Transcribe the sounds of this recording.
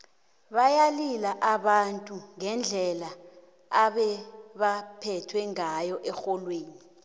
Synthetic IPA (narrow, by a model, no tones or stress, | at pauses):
ɓajalilaʔaɓantʼuŋɛnd͡ɮʱɛla | aɓɛɓapʰɛtʰwɛŋajɔʔɛxɔlweːni